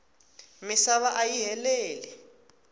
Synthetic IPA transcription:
misaβaʔajiɦɛlɛːlɛ

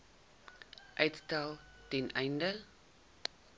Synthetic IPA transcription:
ʔœjtstælˠ | tɛnʔɛjndə

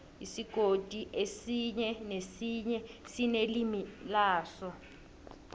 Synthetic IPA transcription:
isiɡ̥ʱod̥ʱʼiʔesiɲɛnesiɲɛsinelimilaːsɔ

